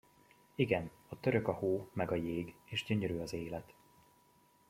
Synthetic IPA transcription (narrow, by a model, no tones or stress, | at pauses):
iɡɛn | ɒt̪ø̞ɾø̞kɒhoːmɛɡɒjeːɡeːʒɟø̞ɲøɾyɒzeːlɛt̪